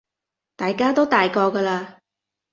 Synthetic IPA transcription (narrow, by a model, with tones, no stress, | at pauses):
t̪aː˨jkaː˥t̪o˥wt̪aː˨jkɔː˧kɐ˧laː˧